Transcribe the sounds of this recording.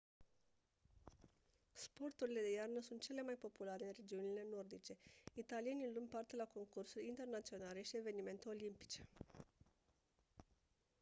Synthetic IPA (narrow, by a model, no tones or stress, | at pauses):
spo̞rt̪uɾile̞d̪e̞jarnəsunt̪̚t͡ʃe̞le̞majpo̞pulaɾe̞ɨnre̞d͡ʒiunile̞no̞rd̪it͡ʃe̞it̪alije̞nilumpart̪elako̞ŋkursulʲint̪e̞rnat̪sio̞nale̞ʃie̞ve̞nime̞nt̪e̞o̞limpi̥t͡ʃe̞̥